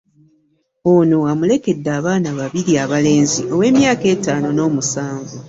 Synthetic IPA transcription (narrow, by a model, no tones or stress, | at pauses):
o̞no̞amule̞ke̞dːaːβaːnaβaβiɾiaβale̞ːnziʔo̞we̞ːmjaːke̞ːtaːno̞no̞ːmusaːɱvu